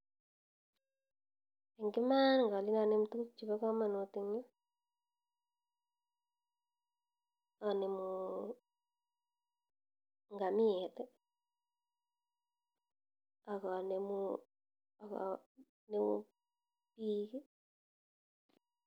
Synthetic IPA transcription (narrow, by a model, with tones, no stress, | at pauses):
e˨ŋɡɪ˦ma˦nŋɡa˨li˦na˨ne˦mu˦tu˦ku˦t͡ʃi˨βa˦ka˦ma˨no˨ti˦ɲa˦ | a˨ne˨mu | ŋɡa˨mi˦e˨t̪ɛ˦ | a˨ka˨ne˨mu | a˨ka̰ | ne˦ṵ | piː˦ki˦